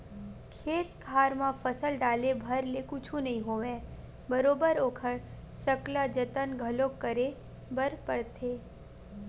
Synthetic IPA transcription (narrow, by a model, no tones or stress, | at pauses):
kʰeːt̪̚kʰaːɾmãfɐsəlɖaːlebʱɐɾlekʊt͡ʃʰũnɐɦĩɦoːʋẽː | bɐɾoːbəɾoːkʰəɽ | sɐklad͡ʒət̪ənɡʱɐlõkːəɾe | bəɾpəɽt̪ʰeː